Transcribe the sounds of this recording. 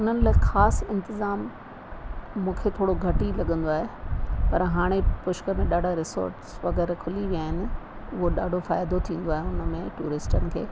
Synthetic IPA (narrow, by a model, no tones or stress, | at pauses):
ʊn̤ənɪ̆laːxaːsɪ̃nt̪ɪzaːm | ũːkʰet̪ʰoːɽoɡʱɐʈilɐɠə̃nd̪oaːɦepɐɾɦaːɽ̃epʊʃkəmẽɗaːɖʱaɾɪso̰ːɾʈsʋɐɣɛːɾkʰʊliʋijaːɦɪnɪ̆ | ʊɦoɗaːɖʱofaːjd̪ot̪ʰĩːn̆d̪oaːɦeʊnə̆mẽʈṵːɾɪsʈənɪ̆kʰḛː